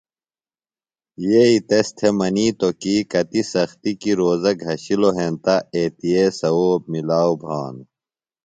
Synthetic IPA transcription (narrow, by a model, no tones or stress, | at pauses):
jeit̪est̪ʰemɐniːt̪okikɐt̪isɐxt̪ikiɾoːzɐɡʱɦɐɕiloɦẽːnt̪aeːt̪ijesɐoːb̚milaːwbʱaːn